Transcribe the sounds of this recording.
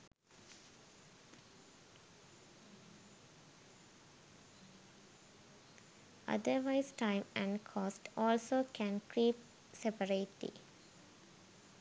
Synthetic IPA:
ʔʌ̰d̪əɾʋaɪzʈãɪ̃mæ̃ɳɖkʰɔːsʈɔːlsoːkʰæ̃nkɾiːp | sepəɾeɪʈḭ

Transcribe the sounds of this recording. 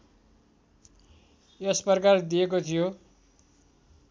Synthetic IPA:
jespʌrkard̪iekot̪ʰijo

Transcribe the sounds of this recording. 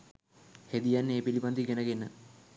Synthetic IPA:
hed̪ijanːeeːpilipand̪iɡenəɡenə

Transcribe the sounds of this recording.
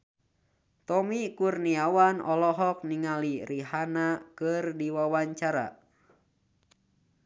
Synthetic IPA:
t̪ɔmikurniawanɔ̰lɔɦɔk̚niŋaliriɦanakɨrdiwawaɲt͡ʃaɾa̰

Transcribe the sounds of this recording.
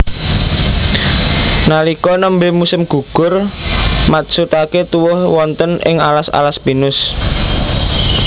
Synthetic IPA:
nalikɔnəmbemusɪmɡ̥ṳɡ̥ʊ̤rmat̪sut̪aket̪uwʊhwɔnt̪ənɪ̰ŋalasa̰laspinʊs

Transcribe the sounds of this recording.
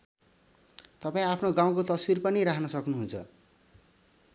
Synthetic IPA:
t̪ʌpaĩapʰnoɡãw̃kot̪ʌswirpʌniɾakʰnʌsʌknuɦunt͡sʰʌ̰

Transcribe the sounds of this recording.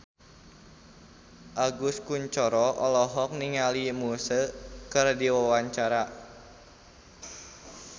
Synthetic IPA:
ʔaɡuskuɲt͡ʃɔɾɔʔɔlɔɦɔk̚niŋalimusəkɨrdiwawaɲt͡ʃaɾa

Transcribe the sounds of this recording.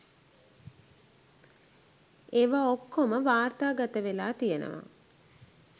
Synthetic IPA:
eʋaokːoməʋaːrt̪aːɡat̪əʋelaːt̪ijənə̰ʋa̰

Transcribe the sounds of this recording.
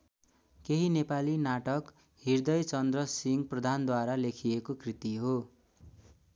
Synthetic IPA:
keɦinepalinaʈʌk | hird̪ʌjt͡sʌnd̪rʌsiŋɡprʌd̪ʱand̪waɾalekʰiekokrit̪iɦo

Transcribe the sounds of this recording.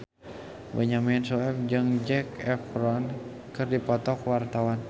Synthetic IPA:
bəɲaminsɔɛmd͡ʒɨŋd͡ʒɛkɛfɾɔn | kɨrdipɔt̪ɔkwart̪awan

